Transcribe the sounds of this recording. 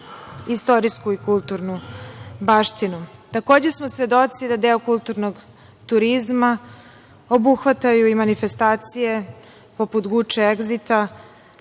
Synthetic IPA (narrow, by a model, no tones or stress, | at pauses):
ist̪o̞ɾiskuikulˠt̪uɾnubaːʃt̪inut̪ako̞ːd͡ʑe̞smosʋe̞d̪o̞t̪sid̪ad̪eokulˠt̪uɾnoɡ | t̪uɾizma | o̞buxʋat̪ajuimanife̞st̪aːt̪sije̞ | po̞put̪ɡut͡ʃeeɡzit̪a